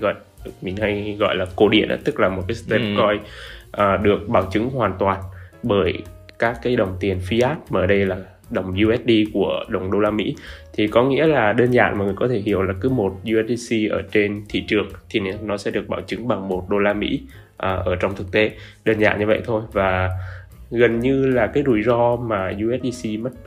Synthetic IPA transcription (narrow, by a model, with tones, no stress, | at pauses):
ɣɔ̰˧˨j | mi˨˩nha˧jɣɔ̰˧˨jlaː˨˩ko˧˩ɗḭ˧˩ənʔa̰ː˧˦t̪ɨ˦˥k̚laː˨˩mo˨˩t̚kaː˨˦st̪ɛ˧˩kɔ˧jʔəː˨˩ɗɨ˨˩ək̚ɓaː˧˩wt͡ɕɨ˨˦ŋɦwaː˨˩nt̪waː˨˩nɓəː˧˩j | kaː˦˥kːaː˨˦jɗə˨˩wŋ͡mt̪i˨˩ənfi˧ʔaː˦˥t̚maː˨˧˩ɗə˧jlaː˨˩ | ɗə˨˩wŋ͡mzu˧ʔɛ˦˥t̚ɗi˧ku˧˩əɗə˨˩wŋ͡mɗo˧laː˧mḭ˧˥t̪ʰi˨˩kɔ˨˦ŋḭ˧˥əlaː˨˩ɗəː˧nza̰ː˧˨nmaː˨˩ŋɨ˨˩əkɔ˨˦t̪ʰe˧˩ɦi˧˩əwlaː˨˩kɨ˨˦mo˨˩t̚zu˧ʔɛ˦˥t̚i˧si˧ʔəː˧˩t͡ɕe˧nt̪ʰḭ˧˨t͡ɕɨ˨˩əŋt̪ʰi˨˩n˨˦nɔ˨˦sɛ̰˧˥ɗɨ˨˩ək̚ɓaː˧˩wt͡ɕɨ˨˦ŋɓa˨˩ŋmo˨˩t̚ɗo˧laː˧mḭ˧˥ | ʔəː˨˩ʔəː˧˩t͡ɕɔ˧wŋ͡mt̪ʰɨ˨˩k̚t̪e˨˦ɗəː˧nza̰ː˧˨nɲɨ˧və̰˧˨jt̪ʰo˧jvaː˨˩ | ɣə˨˩nɲɨ˧laː˨˩kaː˨˦jɗu˧˩jzɔ˧maː˨˩zu˧ʔɛ˦˥t̚ɗi˧si˧mə˦˥t̚